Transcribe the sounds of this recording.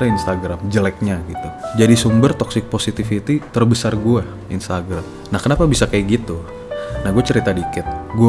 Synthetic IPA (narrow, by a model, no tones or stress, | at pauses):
ɾinst̪aɡɾamd͡ʒəlɛk̚ɲaɡit̪ud͡ʒadisumbərt̪ɔksɪk̚posit̪ifit̪it̪ərbəsarɡua | inst̪aɡɾam | nahkənapabisakajaɡit̪u | nahɡuat͡ʃəɾit̪adikɪt̪̚ɡu